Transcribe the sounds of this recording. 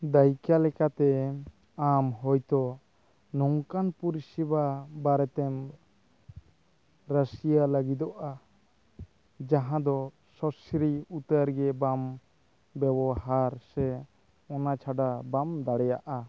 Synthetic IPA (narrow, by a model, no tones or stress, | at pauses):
d̪ajkalɛkat̪ɛ | amɦɔjt̪ɔ | nɔŋkanpuɾisibabaɾɛt̪ɛm | ɾəsijaləɡid̪ɔʔa | d͡ʒaɦãd̪ɔ | sɔsiɾiut̪əɾɡɛbam | bɛbɔɦaɾsɛ | ɔnat͡ʃʰaɖabamd̪aɽɛjaʔa